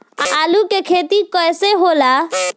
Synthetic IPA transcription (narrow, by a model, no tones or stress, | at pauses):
alukekʰet̪ikɔjseɦola